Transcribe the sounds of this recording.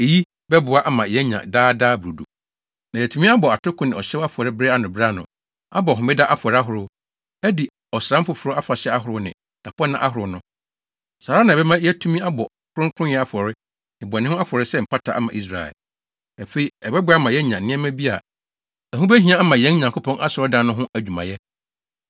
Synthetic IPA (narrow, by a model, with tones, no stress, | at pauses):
e˨ji˦ | bɛ˦bʊ˨a˦ʔa˦mã˨jɛ˦ɲã̰˨daː˦daː˦bu˨duo˨ | nã˨ɛ˨tʰũ˦mĩ˦a˦bɔ˨a˨tʰʊ˦kʰʊ̃˦nɪ̃˨ɔ˨ɕɛ˦wa˦fʊ˨ɔ˨ɾɪ˦bɾe˦a˦nʊ̃˨bɪ˦ɾa˦nʊ̰̃˨ | a̰˦bɔ˨ɦʊ̃˨mɪ˦da˦ʔa˦fʊ˨ɔ˨ɾɪ˦a˦ɦʊ˨ɾʊ˦ | ɛ˦di˨ | ɔ˨sɾã˦m̩˦fʊ˨fʊ˨ɾʊ˦a˦fa˨ɕɛ˦a˦ɦʊ˨ɾʊ˦nɪ̰̃˨ | tʰa˨pɔ˦nã˦ʔa̰˦ɦʊ˨ɾʊ˨˦nʊ̃˦ | saː˨ɾa˦nã˨bɛ˦mã˦jɛ˦tʰu˦mĩ˦a˦bɔ˨ | kʰʊ˦ɾʊ̃˦ŋ˦kʰʊ̃˦jɛ˦a˦fɔ˨ɾɪ˦ | ɪ˨bɔ˨nɪ̃˦ʊ̃˦a˦fɔ˨ɾɪ˦sɛ˦m̩˨pʰa˦tʰa˨ʔa̰˦mã˨ʔi˦s̬ɾa̰˨ɛ̰˨l | æ˨fe˦i˨ɛ˨bɛ˦bʊ˦a˦mã˨jɛ˦ɲã˨n̩ː˨ɪ̃˦ɛ˦mæ̃˦bi˦a̰˨ | æ˨ɦũ˦bɛ˦ɦĩ˨˦ã˦a˦mã˨jɛ̃˦n˦ɲã˨ŋkʰo˦pʰɔ̃˦ŋʔa˦sɔ˨ɾɔ˦dã˦nːʊ̃˦ɦʊ̃˦ʔæ˨d͡ʑᶣu˨mã̰˨jɛ˦